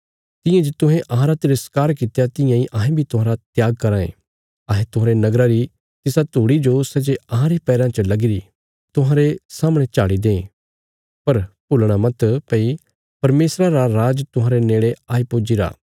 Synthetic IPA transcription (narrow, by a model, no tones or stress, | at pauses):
t̪ɪ̃jãd͡ʒet̪ʊ̃ɦẽʔɐɦãɾat̪ɪɾəskaːɾkɪt̪ejat̪ɪ̃jãiʔɐɦẽbʱit̪ʊɦãːɾat̪jaːɡ̚kɐɾãːḛ̃ː | ɐːɦẽt̪ʊɦãːɾenɐɡɾaɾi | t̪ɪsat̪uːɽid͡ʒosɛd͡ʒeɐɦãɾipɛːɾãt͡ʃəlɐɡɪɾi | t̪ʊɦãːɾesaːməɽ̃et͡ʃaːɽid̪ẽː | pɐɾpʊlɽ̃amɐt̪pɐi | pɐɾmeːsɾaɾaɾaːd͡ʒt̪ʊɦãːɾeneːɭeaːipoːd͡ʒiɾa̰ː